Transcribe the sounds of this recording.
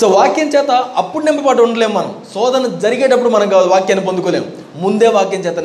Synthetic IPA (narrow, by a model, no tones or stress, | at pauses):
soːʋaːkjɐɲt͡ʃɛːt̪ɐɐpːuɽunɛmpɐpaːʈuɳɖɐleːmːɐnɐ̰msɔːd̪ɐnɐd͡ʒɐɾiɡeːʈɐpːuɽumɐnɐmkaːlʋaːkjɐnip̬ond̪ukoːleːm | mund̪eːʋaːkjɐɲt͡ʃɛːt̪ɐn